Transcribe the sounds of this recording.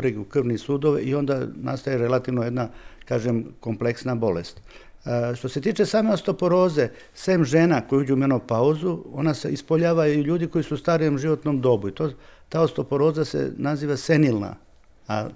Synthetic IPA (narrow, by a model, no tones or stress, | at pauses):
ɾeɡukr̩ʋnisuːd̪oʋeio̞nd̪ana̰st̪ajeɾelat̪iʋnoje̞d̪nakaːʒemko̞mple̞ksnabo̞lḛst̪ | ʃt̪o̞se̞t̪iːt͡ʃe̞saːme̞ost̪o̞po̞ɾo̞ːze̞ | semʒe̞nako̞jud͡ʑuumenopauzuo̞̰naseispoʎaːʋaiʎuːd̪iko̞jisuːst̪aːɾijomʒiʋo̞t̪nomd̪o̞buit̪ot̪aːost̪o̞po̞ɾo̞ːzasḛnaziːʋase̞nilˠna̰ | a̰